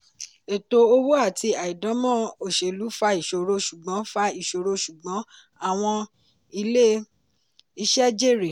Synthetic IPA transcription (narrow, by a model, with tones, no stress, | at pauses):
e˨to˨o˧wo˦a˦˨ti˧a˨i˨dɔ̃˨˦mɔ̃˦˨o˨ʃe˨lu˨˦fa˧i˨ʃo˨˧ɾo˧ʃu˨ɡ͡bɔ̃˨˦fa˧i˦˨ʃo˨ɾo˧ʃu˨ɡ͡bɔ̃˨˦ | a˦˨w̃ɔ̃˧ | i˧le˦ | i˧ʃɛ˦d͡ʒe˦˨ɾe˨